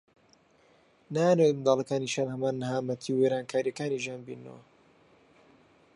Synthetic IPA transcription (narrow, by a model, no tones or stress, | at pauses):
naːanwejnd̪ɑːlˠɐkaːniʃaːnhɐmaːnːɦaːmɐt̪ʰiweɾaːnkʰaːɾijɐkaːniʒaːnbḭːnːə̰wɐ̰